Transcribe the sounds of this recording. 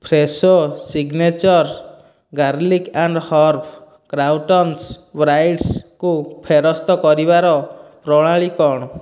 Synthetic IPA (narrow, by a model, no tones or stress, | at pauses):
pʰɾesosiɡnet͡ʃɔɾ | ɡaɾlikaɳɖhɔɾpʰ | kɾawʈɔnsbɾajʈskupʰeɾɔst̪ɔkɔɾibaɾɔpɾɔɭ̃aɭikɔɽ̃ɔ